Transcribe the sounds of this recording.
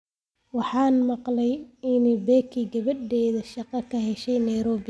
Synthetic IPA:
wɑħɑːnmɑqlɛjɪnɛbɛːkʰiɡɐβɐd̪ɛːðɐʃɑqɑkʰɐɦɛʃɛjnɐjɾɔːβɪ

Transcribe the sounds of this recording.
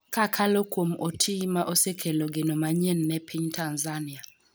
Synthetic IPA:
kakʰalokwomotʰimaʔosekʰeloɡenomaɲenːɛpʰiɲtʰanzania

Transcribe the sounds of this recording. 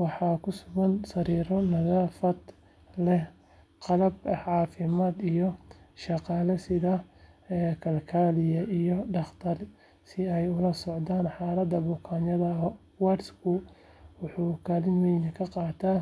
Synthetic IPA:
wɑħɑːkʰʊsʊɣɐnsɐɾiːɾɔnɐɣaːfɐd̪ | lɛ | qɑlɐbʕɑːfɪmaːd̪ijɔʃɑqɑːlɐsɪðɐɛːkʰɐlkʰaːlɪjɐʔijɔɖɑχt̪ʰɐr | sɪɛjʊlɐsɔʕd̪aːnħɑːlɐd̪ɐbʊkʰaːnɐðɐ | waɾskʰʊ | wʊħuːkʰaːlɪnwɛjnkʰɐqɑːt̪ʰaː

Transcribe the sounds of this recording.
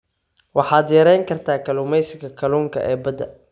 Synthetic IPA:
wɑħɑːd̪jɐɾɛjŋkʰɐrt̪ʰaːkʰɐlʊmɛjsɪɡɐkʰɐluːŋkʰɐ̰ʔɛːbɐd̪ɐ̰

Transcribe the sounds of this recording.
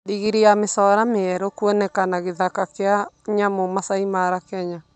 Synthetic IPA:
diɣiɾiamesɔɾameɛɾɔkwɔnɛkanaɣeðakakeaɲamomasaimaɾakɛɲa

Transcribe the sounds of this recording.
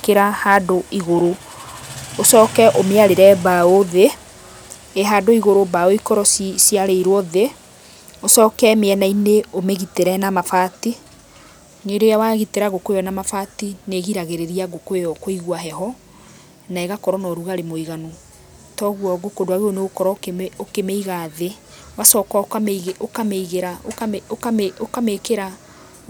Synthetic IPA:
keɾahadoiɣoɾo | osɔːkɛʔomeaɾeɾɛbaoðe | eɦaːdoiɣoɾobaoikɔɾɔsisjaɾeiɾwɔðe | osɔːkɛmeɛnaineomeɣiteɾɛnamafati | ɲedojawaɣiteɾaɣokoejɔnamafatineɣiɾaɣeɾeɾiaɣokoejɔkoiɣwaɦɛɦɔ | naɛɣakɔɾɔnɔɾuɣaɾemoiɣano | tɔɣwɔɡokondoaɣeoneɣokɔɾɔeokemeiɣaðe | βasɔːkwaokameɣokameiɣeɾaoaokaeokamekeɾa

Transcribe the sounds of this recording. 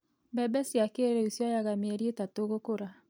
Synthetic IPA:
bɛbɛsiakeɾeisjɔjaɣameɛɾietatoɣokoɾa

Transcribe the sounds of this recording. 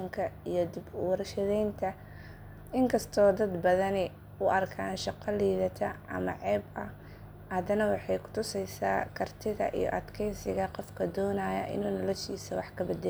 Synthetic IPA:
ɐŋkʰɐijɞd̪ɪbwɐɾʃɐðɛjnt̪ʰɐ | ɪŋkʰɐst̪ʰɔːd̪ɐd̪bɐðɐnɪ | ʊʔɐrkʰaːnʃɑqɐliːðɐt̪ʰɐɐ̰mɐ̰ʕɛːbɐ | hɐd̪ɐnɐwɑħɑjkʰʊ̥t̪ʰʊsɛjsaːkʰɐrt̪ʰɪðɐ̰ʔḭjɔ̰ʔɐd̪kʰɛjsɪɣɐqɔfkʰɐd̪ɔːnaːjɐ̰ʔɪ̰nuːnɔlɔʃiːsɐwɑħkʰɐbɪd̪ɛ

